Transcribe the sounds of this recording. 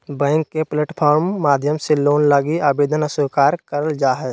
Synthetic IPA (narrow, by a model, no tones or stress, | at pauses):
bɛ̃ːŋkːepleːʈpʰɔːɾmːaːd̪ʱjəmseloːnlaːɡiaːbeːd̪ʱənəsʊkaːɾkəɾəld͡ʒaːɦɛ